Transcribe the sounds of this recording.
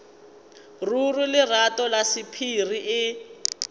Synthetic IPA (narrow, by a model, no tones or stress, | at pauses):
rurulɪratɔlasipʰiriʔɪ